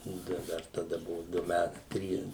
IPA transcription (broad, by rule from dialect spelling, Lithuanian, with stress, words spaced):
ˈnʊ tɐɪ ˈdɐr tɐˈdɐ ˈbʊʋʊ ˈdʊ ˈmʲæt ˈtʲrʲiːs